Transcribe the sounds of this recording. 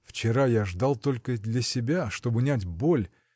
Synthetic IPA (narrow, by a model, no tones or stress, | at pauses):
ft͡ɕɪɾajaʐd̪ɑlˠt̪o̞lʲkəd̪lʲɐsʲɪbʲaʂt̪o̞bʊnʲatʲbolʲ